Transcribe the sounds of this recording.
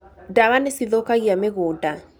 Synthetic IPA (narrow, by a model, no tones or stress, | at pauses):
daɣanesiðokaɣiameɣoːda